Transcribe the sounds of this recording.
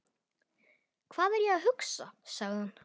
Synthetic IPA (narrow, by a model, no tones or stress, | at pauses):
kʰv̥aːðɛɾjɛɣaðɦʏksa̰saɣðɪhan